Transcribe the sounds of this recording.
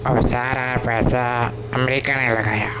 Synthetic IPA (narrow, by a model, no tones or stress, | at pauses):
saːɾanpɛːsa | ɐmeɾikːanelɐɣaːja